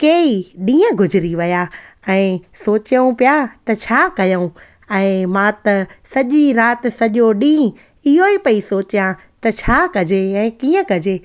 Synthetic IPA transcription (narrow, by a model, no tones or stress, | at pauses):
keːiɗĩːə̃ɡʱʊd͡ʑʱɪɾiʋɐja | ɛ̃ːsoːt͡ɕjəũpijat̪ɐt͡ɕʰaːkɐjəũ | ɛ̃ːmãt̪ɐsɐʄiɾaːt̪̆sɐʄoɗĩː | ɪɦoipɐisoːt͡ɕjã | t̪ɐt͡ɕʰaːkɐd͡ʑeɛ̃ːkiːə̃kɐd͡ʑeː